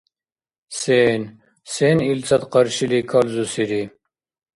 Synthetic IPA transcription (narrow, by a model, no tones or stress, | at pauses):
sen | senilt͡sʰɐt̪qɑɾɕilikʰɐlzusiɾi